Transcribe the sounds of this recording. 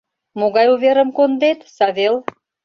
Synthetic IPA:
moɣɑjuβeɾə̆mkond̪et̪sɑβel

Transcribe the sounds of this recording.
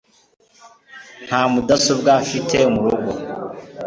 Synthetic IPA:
n̥haːmudasub̚ɡafitʰemuɾoɡo

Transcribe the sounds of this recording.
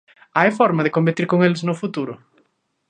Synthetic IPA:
ajfɔɾmaðekombet̪iɾkoŋelznʊfut̪uɾʊ̰

